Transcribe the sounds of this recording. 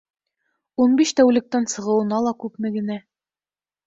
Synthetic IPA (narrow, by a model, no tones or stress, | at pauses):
unbiʃt̪æwlɘ̆k̚t̪ænsɤ̆ʁɤ̆wɤ̆nɑlˠɑkʉpmɘ̆ɡɘ̆næ